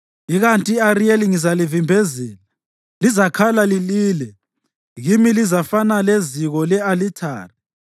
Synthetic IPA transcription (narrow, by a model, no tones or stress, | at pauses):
iɣantʼiarieliŋizalivimbʱezɛːla | lizakʰalaliliːlɛ | ɣimilizafanaleziɣɔlɛalitʰa̰ːri